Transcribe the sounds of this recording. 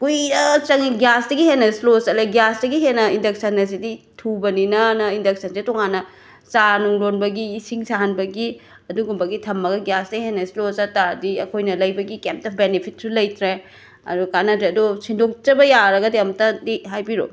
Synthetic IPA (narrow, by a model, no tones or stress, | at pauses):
kujɾɐt͡ʃɐŋiɡjasdɐɡihenːɐsilosɐleɡjasdɐɡiɦenɐindɐk̚sɐnːɐs̬iditʰubɐninɐnɐindɐk̚sɐnsetoŋanːɐ | sanuŋlonbɐɡiːsiŋsaɦanbɐɡi | ɐduɡumbɐɡitʰɐmːɐɡɐɡjasdɐɡihenːɐsilosatadiɐkʰojnɐlɐjbɐɡikemptɐp̚benipʰit̚sulɐjtɾe | ɐ̰dukanɐtɾeɐdosindok̚t͡ʃɐbɐjaɾɐɡɐdiɐmtadiɦajbiɾo̰